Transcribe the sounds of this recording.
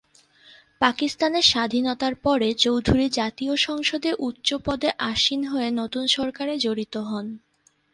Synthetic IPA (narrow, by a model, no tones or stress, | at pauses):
pakist̪aneɾʃad̪ʱinot̪aɾpɔɾet͡ɕowd̪ʱuɾid͡ʑat̪ioʃɔŋʃod̪eʔutːɕopɔd̪eʔaʃinɦoenot̪unʃɔɾkaɾed͡ʑoɾit̪oɦɔn